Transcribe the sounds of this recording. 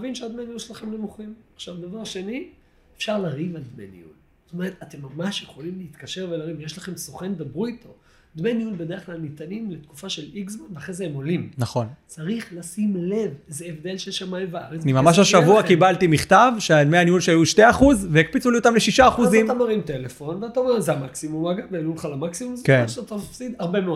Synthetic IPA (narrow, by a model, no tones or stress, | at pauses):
vinʃead̪meaniulʃelaχemnemuχimaχʃavd̪avaʁʃe̞ni | efʃaʁlaʁivald̪menḭṵl | st̪ome̞ʁet̪at̪e̞mːamaʃjeχo̞limleit̪kaʃe̞ʁvelaʁivjeʃlaχe̞msoχend̪abʁuit̪ʰo̞ | d̪meniulbe̞deeχklalnit̪animlet̪ku̥faʃe̞liksmanveaχezeemo̞limnaχo̞nt͡saʁiχlasimle̞vezeevd̪elʃeʃamaevaʁenimamaʃ̬aʃavuakibalt̪imiχt̪avʃeameaniulʃeajuʃte̞aχuzveik̚pit͡suliot̪amleʃiʃaːχuzimamaʁimt̪elefo̞nveat̪aomeʁzeamaksimumaɡavealulχalamaksimumzkenʃat̪amafsid̪aʁbemeod